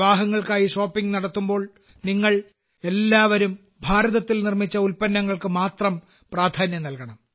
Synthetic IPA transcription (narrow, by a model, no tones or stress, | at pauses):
ʋaːɦɐŋːɐɭkaːjiʂo̞ːpːiŋɡnɐɽɐt̪ːumbo̞ːɭ | niŋːɐɭ | e̞lːaːʋɐɾum | bʱaːɾɐðɐt̪ːilnirmit͡ɕːɐulpɐnːɐŋːɐɭkɨmaːt̪rɐm | praːd̪ʱaːnjɐnɐlkɐɳɐm